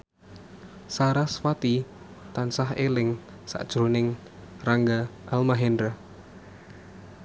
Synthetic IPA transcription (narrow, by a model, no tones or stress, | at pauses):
saɾaswat̪i | t̪ansaɦelɪŋ | sa̰ʔd̥ʒ̥ɾonɪŋ | raŋɡaʔalmaɦɛndɾa